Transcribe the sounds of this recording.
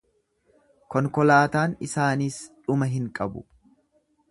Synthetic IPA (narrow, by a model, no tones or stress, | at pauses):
kɔŋkɔlaːt̪aːnɪsaːniːsᶑʊmɐɦɪŋkʼɐbʊ̰